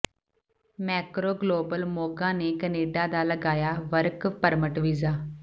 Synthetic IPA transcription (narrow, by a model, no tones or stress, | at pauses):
mɛːkɾoːɡloːbəlmoːɡãːneːkəneːɖaːd̪aːləɡaːjaːʋəɾkpəɾməʈʋiːzaː